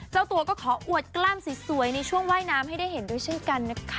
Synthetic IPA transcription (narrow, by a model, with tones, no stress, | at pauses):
t͡ɕaː˧˩wt̪u˧ɐkɔː˥˩kʰɔː˩˦ʔu˨˩ət̪̚klaː˧msi˨˩˦su˩˦əjna˧jt͡ɕʰu˥˩əŋwaː˥˩jnaː˦˥mha˥˩jda˥˩jhe˨˩˦ndu˥˩əjt͡ɕʰe˥˩nka˧nːa˦˥kʰa˦